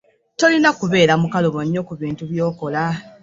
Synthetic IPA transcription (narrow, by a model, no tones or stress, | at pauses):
to̞linakuβe̞ːɾamukaloβoɲːo̞kuβiːntuβjo̞ːko̞la